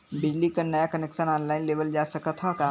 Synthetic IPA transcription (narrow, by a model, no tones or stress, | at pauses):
bɪd͡ʒlikɐnɐjakɐnɛːkʃənɔːnlaːɪnleːʋəld͡ʒaːsɐkat̪ʰaka